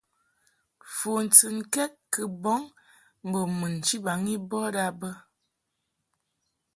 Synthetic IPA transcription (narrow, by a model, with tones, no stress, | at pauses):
fo˨n̩˨t͡sɨ˨nkɛ˦t̚kə˨bɔ˨˦ŋ | m̩˨bə˨mɨ˨n˨t͡ʃi˦ba˨˦ŋi˦bɔ˦da˦bə˦